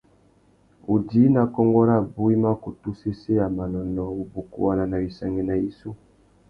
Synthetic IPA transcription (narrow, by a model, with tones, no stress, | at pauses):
u˨di˦na˨kɔ˦ŋɡɔ˦ɾa˦˨bu˦i˦ma˦ko˨tu˦se˦se˦ja˨ma˨nɔ˨nɔ˨u˦bu˨kṵ˦wa˦na˦na˨bi˨sa˨ŋɡe˦na˨i˨su˦